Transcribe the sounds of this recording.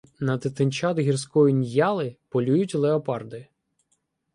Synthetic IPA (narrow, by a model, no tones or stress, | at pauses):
nɐt̪ɪt̪ɪnʲt͡ʃɑd̪ɦʲirsʲkɔjʊnʲjɑlˠɪpɔlʲujʊtʲlˠeɔpɑrd̪ɪ